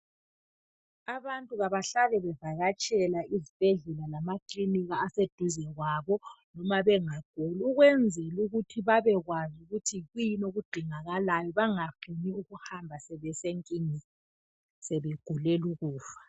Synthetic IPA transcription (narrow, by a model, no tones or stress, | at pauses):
aβantʼuɣaβaɬalɛβɛvaɣat͡ʃʼɛlaizib̥ʱɛɮɛlalamakʼliniɣaːsed̥ʱuzɛɣwaβɔnɔmaβɛŋaɡ̥ʱoluɣwɛnd͡zʱɛluɣutʰiβaβɛɣwazuɣutʰiɣujinoɣuɡ͡ǃʱiŋaɣalajɔβaŋafiniuɣuhambʱasɛβɛseŋkʼiːŋi | sɛβɛɡ̥ʱulɛluɣuːfḁ